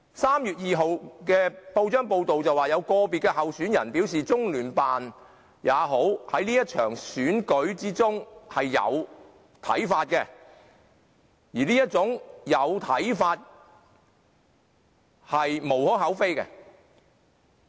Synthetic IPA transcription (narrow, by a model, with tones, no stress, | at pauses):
saː˥mjyː˨˩t̚jiː˨ɦo˨wkɛː˧po˧wt͡ʃœː˥ŋpo˧wt̪o˨wt͡sɐ˨waː˨˩jɐ˨˧wkɔː˧piː˨t̚kɛː˧hɐ˨wsyː˨˥njɐ̰˨˩npi˨˥wsiː˨t͡sʊ˥ŋlyː˨˩npaː˨n | jaː˨˧ɦo˨˥whɐ˨˥jniː˥jɐ˥t̚t͡ʃʰœ̰ː˨˩ŋsyː˨˥nkɵ˨˥ɥt͡siː˥t͡sʊ˥ŋhɐ˨jːɐ̰˨˧w | t̪ʰɐ̰˨˥jfaː˧t̚kɛː˧ | jiː˨˩niː˥jɐ˥t̚t͡sʊ˨˥ŋjɐ˨˧wt̪ʰɐ˨˥jfaː˧t̚ | hɐ˨jmo˨˩whɔː˨˥ɦɐ˨˥wfe˥jkɛ̰˧